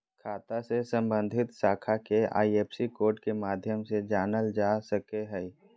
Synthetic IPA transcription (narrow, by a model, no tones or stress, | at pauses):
kʰaːt̪asesə̃mbə̃nd̪ʱɪt̪saːkʰakea̰ːieːpsikoːɾʈkemaːd̪ʱjəmsed͡ʒaːnəld͡ʒaːsəkeɦɛ